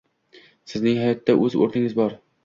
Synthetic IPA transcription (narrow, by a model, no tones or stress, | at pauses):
sɪznɪŋɦajɒt̪ʰːaʔɵzo̰ɾnɪŋɪzbɒɾ